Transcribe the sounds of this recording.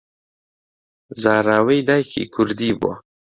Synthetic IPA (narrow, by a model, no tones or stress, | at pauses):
zɑːɾaːwejd̪ajkʰḭkʰuɾd̪ibo̰